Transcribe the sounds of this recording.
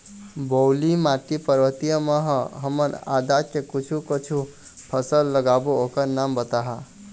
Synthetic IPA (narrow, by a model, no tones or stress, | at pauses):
bolimaʈipəɾbət̪ijəməɦɦəməna̰d̪akekut͡ʃʰukət͡ʃʰu | pʰəsəlːəɡabookəɾnambət̪aɦa